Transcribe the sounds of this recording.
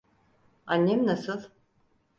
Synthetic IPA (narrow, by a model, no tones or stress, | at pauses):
anʲːemnasɯlˠ